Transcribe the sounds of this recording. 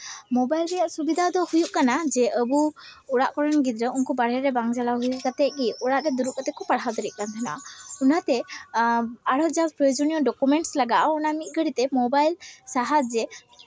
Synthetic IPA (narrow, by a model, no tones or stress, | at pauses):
mɔbajlɾɛjaʔsubid̪ʱad̪ɔhujuʔkanad͡ʒɛəbuuɽaʔkɔɾɔnɡit̪ɾəunkɔbaɽɛɾɛbaŋd͡ʒalaɦujuʔkat̪ɛʔ̚ɡiuɽaʔɾɛd̪uɾuʔ̚kat̪ɛkɔpaɽɦawd̪ɔɾiʔ̚kant̪ʰana̰ʔunat̪ɛ | aɽɔd͡ʒazpɾɔjod͡ʒɔnijɔɖɔkumɛɳʈslaɡaʔunamit̪̚ˀɡəɽit̪ɛmɔbajlsaɦatd͡ʒɛ